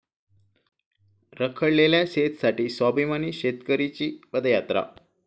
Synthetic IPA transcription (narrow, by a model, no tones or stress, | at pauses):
ɾəkʰəɽleljaset̪saʈiːsɔbimaniːɕet̪kəɾit͡ɕiːpəd̪əjat̪ɾa̰